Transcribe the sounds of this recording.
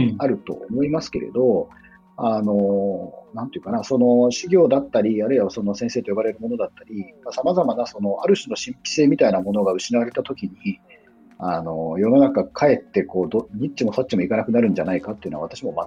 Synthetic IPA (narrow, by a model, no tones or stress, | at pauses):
aɾɯ̟t̪o̞̰omo̞imasɨ̥ke̞ɾe̞̰d̪o̞ | ano̞nãnt̪ejɯ̟kanaso̞no̞ɕiɡʲo̞ːd̪at̪ːaɾʲiaɾɯ̟iβaso̞no̞sẽ̞seːt̪o̞jobaɾe̞ɾɯ̟mo̞no̞d̪at̪ːaɾʲimasamazamanaso̞no̞aɾɯ̟ɕino̞ɕĩmpʲi̥se̞ːmʲit̪ainamo̞no̞ɡaɯ̟ɕinaβaɾe̞t̪at̪o̞kʲiɲ̟i | ano̞jo̞no̞nakakʰae̞t̪ːe̞ko̞ːd̪oɲ̟it͡ɕimo̞sot͡ɕːimo̞ikanakɯ̟naɾɯ̟̃ɲ̟d͡ʑanaikat̪ːejɯ̟noaβat̪aɕimo̞ma